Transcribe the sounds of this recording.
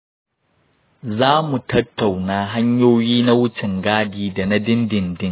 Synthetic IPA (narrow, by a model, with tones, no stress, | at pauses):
zaː˦mu˨tɐ˦tːa˨wnaː˦ɦa˦ɲjoː˦jiː˦na˦wʊ˦t͡ʃɪ˨ŋɡaː˦diː˦da˨na˦dɪ˦ndɪ˨ndɪ˦ŋ